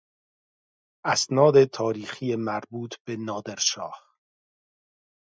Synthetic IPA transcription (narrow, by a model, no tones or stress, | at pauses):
ʔæsnɒːd̪et̪ʰɒːɾiːxiːjemæɾbuːt̪ʰb̥e̞nɒːd̪eɾʃɒ̰ːh